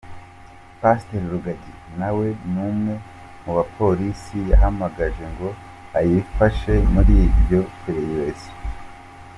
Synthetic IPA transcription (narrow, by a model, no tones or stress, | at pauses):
paste̞ɾiɾuɡaɟinawe̞numŋe̞ | muβapʰo̞ɾisijaɦamaɡaʒe̞ŋɡo̞ | ajifaʃe̞muɾibjo̞peɾejezi̥